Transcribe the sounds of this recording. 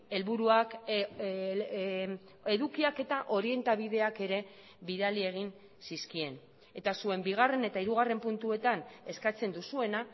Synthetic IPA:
e̞lβuɾuak | e̞ðukiake̞t̪aʔo̞ɾie̞nt̪aβ̞iðe̞ake̞ɾe̞ | βiðalie̞ɣ̞in | siskie̞n | e̞t̪asue̞mbiɣ̞are̞ne̞t̪aiɾuɣ̞are̞mpunt̪ue̞t̪ane̞skat͡se̞nd̪usue̞na

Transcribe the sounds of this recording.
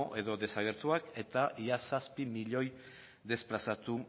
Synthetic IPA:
ʔe̞ðo̞ðe̞saɣ̞e̞ɾt̪uake̞t̪aiasaspimiʎo̞j | ðe̞splasat̪u

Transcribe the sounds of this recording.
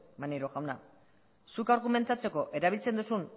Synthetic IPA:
maneɾoɣawna̰ | sukaɾɣume̞nt̪at͡se̞ko̞ʔe̞ɾaβilt͡se̞nd̪usun

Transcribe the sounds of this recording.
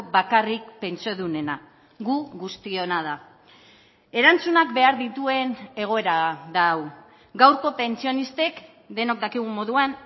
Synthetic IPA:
bakarik̚pe̞nt͡soðune̞na | ɡuɣust̪io̞nað̞a | e̞ɾant͡sunakbe̞aɾðit̪ue̞ne̞ɣ̞o̞e̞ɾaðaw | ɡawɾko̞pe̞nt͡sio̞nist̪e̞k | d̪e̞no̞k̚d̪akiɣ̞umo̞ðuan

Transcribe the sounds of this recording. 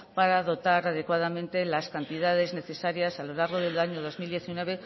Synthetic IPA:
paɾaðo̞t̪aɾaðe̞kwaðamẽnt̪e̞laskant̪iðaðe̞zne̞θe̞saɾjasalo̞laɾɣ̞o̞ðe̞laɲoðo̞zmild̪je̞θinwe̞β̞e̞

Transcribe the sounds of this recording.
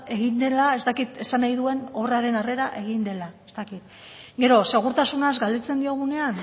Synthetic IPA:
e̞ɣind̪e̞lae̞zt̪akit̪e̞sanajðue̞no̞βraɾe̞nare̞ɾaʔe̞ɣind̪e̞lae̞st̪akit̪ | ɡe̞ɾo̞se̞ɣ̞uɾt̪asunazɡald̪et͡se̞nd̪io̞ɣ̞une̞an

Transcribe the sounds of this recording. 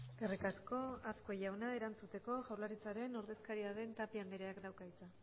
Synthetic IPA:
ɡerikasko̞asko̞jawnae̞ɾant͡sut̪e̞ko̞ʝawɾlaɾit͡saɾe̞no̞ɾðe̞skaɾiaðe̞nt̪apiand̪eɾeakd̪awkajt͡sa

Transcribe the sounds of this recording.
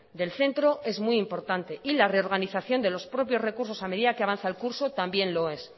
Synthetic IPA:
d̪e̞lθe̞nt̪ɾo̞ʔe̞zmuiimpo̞ɾt̪ant̪e̞ʔilare̞o̞ɾɣ̞aniθaθjo̞nd̪e̞lo̞spɾo̞pjo̞zre̞kuɾso̞same̞ðiðakeaβanθaelkuɾsot̪ambje̞nlo̞e̞s

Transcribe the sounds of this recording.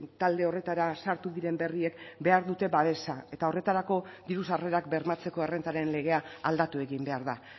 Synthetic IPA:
t̪ald̪e̞o̞re̞t̪aɾasaɾt̪uðiɾe̞mbe̞rie̞kbe̞aɾðut̪e̞βaβe̞sae̞t̪ao̞re̞t̪aɾako̞ðiɾusare̞ɾakbe̞ɾmat͡se̞ko̞e̞re̞nt̪aɾe̞nle̞ɣ̞e̞aald̪at̪ue̞ɣimbe̞aɾða

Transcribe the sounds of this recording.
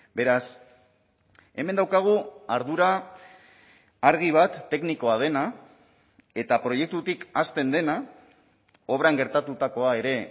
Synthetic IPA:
be̞ɾas | e̞me̞nd̪awkaɣ̞uaɾð̞uɾa | ɾɣ̞iβ̞at̪ːe̞kniko̞að̞e̞na | e̞t̪apɾo̞je̞k̚t̪ut̪ikast̪e̞nd̪e̞na | o̞βɾaŋɡe̞ɾt̪at̪ut̪ako̞ae̞ɾe̞

